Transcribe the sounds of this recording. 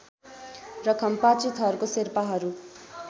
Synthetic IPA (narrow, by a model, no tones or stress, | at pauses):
rʌkʰʌmpat͡sit̪ɦʌɾukoserpaɦʌɾu